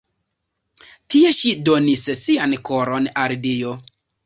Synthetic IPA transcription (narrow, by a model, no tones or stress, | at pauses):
tie̞ʃidonissiankoɾonaldijo